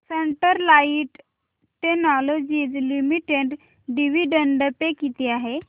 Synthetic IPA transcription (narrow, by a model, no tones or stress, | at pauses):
seɳʈəɾlaiʈ | ʈenɔlod͡ʑid͡zlimiʈeɖ | ɖiʋiɖəɳɖəpekit̪iaɦe